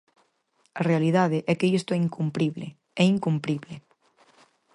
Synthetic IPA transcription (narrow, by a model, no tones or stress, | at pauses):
ɐrealiðaðɪʔɛkeist̪ʊɛiŋkumpɾiβlḛ | ɛiŋkumpɾiβle